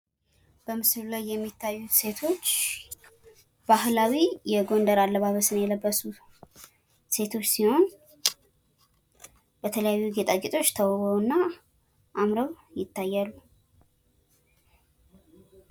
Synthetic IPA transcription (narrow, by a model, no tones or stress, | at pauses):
b̥əmɨsɨllajːɛmːit̪ʰːajːuse̞t̪ʰo̞t͡ʃː | b̥ahlawijɛɡo̞nd̪əɾalːəβaβəsɨnjɛləbːəsu | se̞t̪ʰo̞t͡ʃːsiho̞n | b̥ət̪ʰələjajːuɡe̞t̪ʼaɡɪt̪ʼo̞t͡ʃːt̪ʰəwɡowɨnːa | ʔamɾəwjɪt̪ːajːalːu